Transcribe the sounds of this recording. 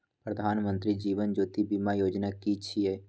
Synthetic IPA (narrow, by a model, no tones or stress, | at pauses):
pɾəd̪ʱaːnmə̃nt̪ɾid͡ʒiːʋənd͡ʒoːt̪ibimajoːd͡ʒnakit͡ʃʰieː